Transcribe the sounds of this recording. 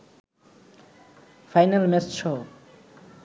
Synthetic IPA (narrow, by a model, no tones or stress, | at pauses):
fʰajnalmɛsʃʰɔ